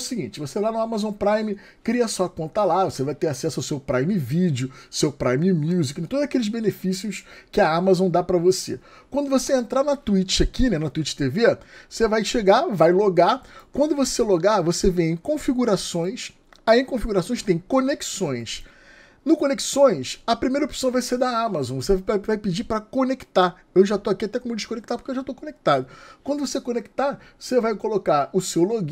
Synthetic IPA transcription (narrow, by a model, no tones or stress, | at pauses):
siɡĩt͡ʃɪvoselanʊamazõpɾajmɪ | kɾiɐsɔɐkõt̪ɐlavosevajt̪eɾasɛsʊawsewpɾajmɪvid͡ʒʊsewpɾajmɪmuzikt̪od̪ʊzakelɪzbenefisiʊskɪɐamazõw̃d̪apɾɐvosḛ | kwɐ̃nd̪ʊvoseẽnt̪ɾanɐt̪uit͡ʃɪakinɛnɐt̪uit͡ʃɪ̥t̪eveosevajʃeɡavajloɡakwɐ̃nd̪ʊvoseloɡavosevẽẽj̃kõfiɡuɾasõj̃s | aẽj̃kõfiɡuɾasõj̃st̪ẽj̃kõneki̥sõj̃s | nʊkõneki̥sõj̃sɐpɾimejɾɐopsɐ̃w̃vajsed̪ɐamazõvosevaajvajpid͡ʒipɾɐkoneki̥t̪a | ewʒat̪oakiat̪ɛkomeʊd͡ʒɪʃkõnek̚t̪aɾpo̥kewʒat̪okõnek̚t̪ad̪ʊkwɐ̃nd̪ʊvosekõneki̥t̪avosevajkolokaɾʊsewloɡ